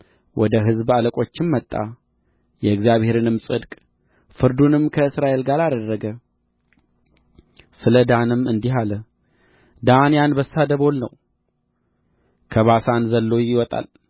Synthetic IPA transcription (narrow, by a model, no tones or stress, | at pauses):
wʔɔd̪əɦɨzbaləkʼo̞t͡ʃːɪmːət̪ʼːa̰ | jɛɨɡzjaβhe̞ɾɨnɨmsʼɨd̪kʼ | fɨɾd̪unɨmkʰəɨsɾaʔe̞lɡaɾad̪əɾːəɡə | sɨləd̪anɨmɨnd̪iɦalə | d̪anijanbəsːad̪əβo̞lnə̰w | kʰəβasanzəlːo̞jɪwɔt̪ʼa̰l